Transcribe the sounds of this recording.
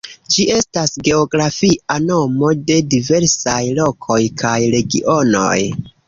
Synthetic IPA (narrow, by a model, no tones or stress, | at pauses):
d͡ʒie̞stasɡe̞oɡɾafiʔano̞mo̞de̞dive̞ɾsajlo̞kʰo̞jkʰajɾe̞ɡḭʔo̞no̞̰j